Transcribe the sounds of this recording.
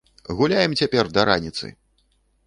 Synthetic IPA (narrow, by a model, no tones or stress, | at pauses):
ɣulʲajɛmt͡sʲapʲɛrd̪ɐɾanʲit̪sɨ̰